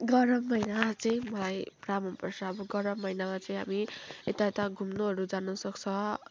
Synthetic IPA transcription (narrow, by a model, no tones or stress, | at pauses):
ɡʌɾʌmːʌjnat͡sʌĩmʌlajpramʌnpʌrt͡sʰʌːbʌɡʌɾʌmːʌjnamat͡sʌĩɦa̰miet̪aet̪aɡʱumnoɦʌɾud͡zanʌsʌkt͡sʰʌ